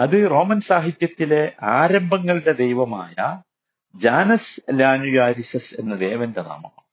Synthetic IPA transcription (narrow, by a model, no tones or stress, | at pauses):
ɐðɨro̞ːmɐnsaːɦit̪jɐt̪ːile̞ʔaːɾɐmbʱɐŋːɐɭɽe̞d̪ejʋɐma̰ːjɐ | d͡ʑaːnɐslaːnujaːɾisɐse̞̰nːɐd̪e̞ːʋɐndena̰ːmɐm